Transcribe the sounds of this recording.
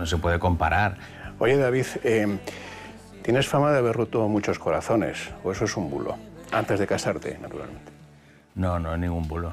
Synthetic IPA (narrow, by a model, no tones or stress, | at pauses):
nosepweðeko̞mpaɾaɾ | o̞ʝe̞ðaβ̞iθem | t̪je̞ne̞sfamaðeaβeɾrut̪omut͡ʃo̞sko̞ɾaθo̞ne̞̰soe̞soesumbṵlʔo̰a̰nt̪e̞zðe̞kasaɾt̪e̞̰nat̪uɾa̰lmẽ̞nt̪e̥ | nononĩŋɡumbulo